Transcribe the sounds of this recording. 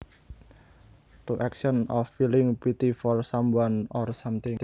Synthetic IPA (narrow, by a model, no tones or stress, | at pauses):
t̪uʔɛkʃɔnɔfːilɪŋpit̪ifɔrsamwanɔrsamt̪ɪŋ